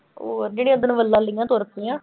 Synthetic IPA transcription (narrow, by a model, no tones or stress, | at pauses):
oːɾd͡ʒeːɽĩːãːd̪ənũːʋəlːãːləiːãːt̪oːɾəpiːjãː